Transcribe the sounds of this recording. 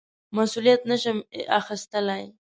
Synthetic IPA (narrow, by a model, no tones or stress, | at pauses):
masulijat̪nəʃəma̰xɪst̪əlaj